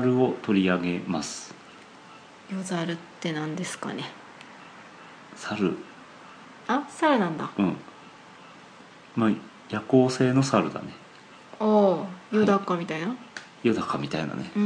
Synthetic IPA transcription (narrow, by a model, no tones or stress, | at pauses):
ɾɯ̟o̞t̪o̞ɾʲiaɡe̞masɨ̥ | jozaɾɯ̟t̪ːe̞nãnd̪e̞sɨ̥ka̰ne | saɾɯ̟ | asaɾɯ̟nãnd̪aɯ̟̃ɴ | ma | jako̞ːse̞ːno̞saɾɯ̟d̪a̰ne̞ | oːjɯd̪akːamʲit̪aina | jo̟d̪akːamʲit̪aḭna̰ne